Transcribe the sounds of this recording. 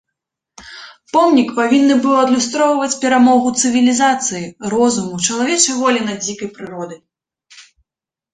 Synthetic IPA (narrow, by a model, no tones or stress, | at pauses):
pɔmnʲikpavʲinːɨbɨwɐd̪lʲust̪ɾɔwvɐt͡sʲpʲɛɾamɔɣut̪sɨvʲilʲizat̪sɨjirɔzumut͡ʂɐlˠavʲɛt͡ʂɐjvɔlʲinɐd͡zʲikɐjpɾɨɾɔd̪ɨ